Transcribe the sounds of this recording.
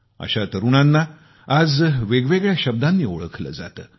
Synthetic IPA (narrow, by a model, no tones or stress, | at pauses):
ə̰ɕat̪əɾuɳ̃anːa | ad͡zʋeɡʋeɡɭjaɕəb̚d̪anːiːoɭəkʰlə̰ːd͡za̰t̪əː